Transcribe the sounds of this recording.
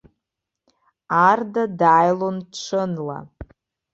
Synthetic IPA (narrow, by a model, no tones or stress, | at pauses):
ardadaːjlonʈ͡ʂʷʰɨnla̰